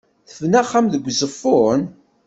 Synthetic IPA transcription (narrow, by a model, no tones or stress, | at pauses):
θəvnæχːamðəɡʷːzˤəfːʊɾn